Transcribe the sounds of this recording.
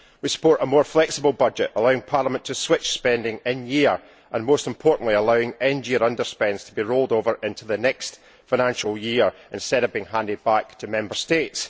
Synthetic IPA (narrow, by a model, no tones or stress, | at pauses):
wisə̥pʰɔɹʔəmɔɹflˠɛksɪbəl̩ˠbʌd͡ʒɪʔəlˠaʊɪ̃ŋpʰaɹlˠəmə̃ntʰəswɪt͡ʃspɛ̃ndɪ̃ŋɪ̃njiɹ | ʔə̃nmostɪ̃mpʰɔɹʔn̩ʔlˠiəlˠaʊɪ̃ŋɛ̃nd͡ʒiəɹʌ̃ndə˞spɛ̃ndz̥tʰəbiɹolˠdovə˞ʔɪ̃ntʰʉðənɛkst | faɪñãnʃəl̩ˠjiɹʔɪ̃nstɛɾʌvbiɪ̃ŋɦãndɪd̚bak̚tʰəmɛ̃mbə˞stets